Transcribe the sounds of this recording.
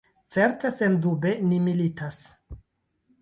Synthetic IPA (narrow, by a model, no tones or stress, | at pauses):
t͡se̞ɾtesendube̞nimilitʰas